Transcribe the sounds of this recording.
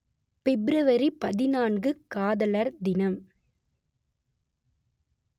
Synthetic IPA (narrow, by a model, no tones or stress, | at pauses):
fɛbɪɾɐʋɐɾipɐðɪnaːnɡɯkaːðɐlɐɾd̪ɪnɐm